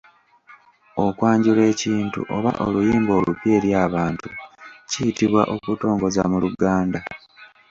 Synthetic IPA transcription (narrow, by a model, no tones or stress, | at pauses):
o̞kwaːɲɟule̞ːciːntṵʔo̞βa̰ʔo̞̰lujiːmbo̞ːlṵpje̞ːɾjaːβaːntucijitiβwa̰ʔo̞kuto̞ːŋɡo̞zamuluɡaːnda